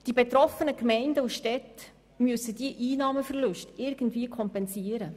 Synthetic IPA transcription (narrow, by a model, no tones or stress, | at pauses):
d̥ibet̪ɾɔfənəkmɛɪndəuʃtɛt | myəsəd̥iəʔiːnɑːməfɛrlʊʃtɪɾɡ̥ən̩tviəkʰɔmpɛnsiːəɾə